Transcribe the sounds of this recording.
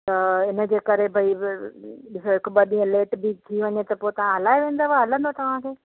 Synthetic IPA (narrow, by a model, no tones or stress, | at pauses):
t̪ɐɪnə̆d͡ʑeːkɐɾebʱɐi | ɓɪsoɦɪkɓɐɗĩə̃leːʈbit̪ʰiʋɐɲet̪ɐpoːet̪ɐʋ̤ãɦɐlaːeʋẽːnd̪aʋaɦɐlə̃nd̪ot̪ɐʋ̤ãkʰeː